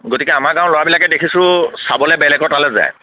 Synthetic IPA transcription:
ɡotikɛamaɹɡãʊ̃loɹabilakɛdekʰisʊ̃sabɔlɛbɛlɛɡɔɹtalɛza̰j

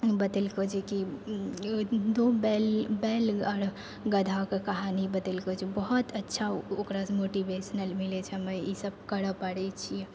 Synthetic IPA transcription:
bət̪əlkod͡ʒʰiki | d̪obɛlbɛləɾ | ɡəd̪ʱakekəɦanibət̪əlkod͡ʒʰibəɦut̪ətːʃʰaokɾasmoʈibesnəlmilet͡ʃʰɛməjisəb̚kəɽəpəɽɛt͡ʃʰiɛ

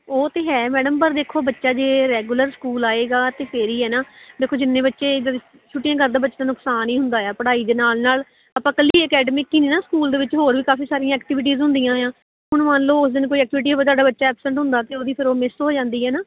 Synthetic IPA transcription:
oːt̪eːɦɛːmɛːɖəmpəɾd̪eːkʰoːbətːʃaːd͡ʒeːɾɛːɡuləɾskuːlaːeːɡaːt̪eːpʰeːɾiːɦɛːnaːd̪eːkʰoːd͡ʒɪnːẽːbətːʃeː | t͡ʃʰʊʈːɪjãːkəɾd̪ãːbətːʃãːnʊksaːniːɦʊnd̪aːjaːpəɽaːiːd̪eːnaːlnaːl | əpãːkəliːəkɛːɖəmɪkːiːniːnaːskuːld̪eːʋɪt͡ʃɦoːɾʋiːkaːfiːsaːɾijãːɛːk̚ʈɪːʋɪʈ̬iːzɦʊ̃nd̪ijãːjãː | ɦʊɳʋãːnloːʊsd̪ɪnkoːiːɛːk̚ʈɪʋɪʈ̬iːɦoːaːt̪̬waːɖaːbətːʃaːɛːpsə̃ɳʈɦʊ̃nd̪aːt̪eːoːd̪iːpʰɪɾoːmɪst̪ɦoːd͡ʒãːnd̪iːɦɛːnaː

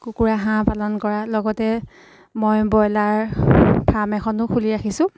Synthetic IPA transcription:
kukuɹaɦãpalɔnkɔɹalɔɡɔtɛ | mɔjbɔjlaɹpʰɹamɛxʰɔnʊkʰuliaxisʊ̃

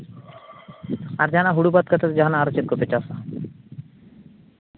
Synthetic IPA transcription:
aɾd͡ʒanaɦuɽubat̪̚kʰət̪ʰat̪d͡ʒaɦanaaɾɔt͡ʃit̪̚ɡɔt̪et͡ʃasa

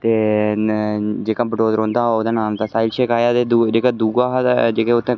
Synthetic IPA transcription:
t̪eː | d͡ʒeːkãːbəʈoːzɾõːnd̪aːooːd̪aːnaːmt̪aːsaːɪlt͡ʃʰɛːkaːjaːt̪eːd̪ud͡ʒeːkaːd̪uːɡaːɦd͡ʒeːkẽːʊt̪ʰːẽː

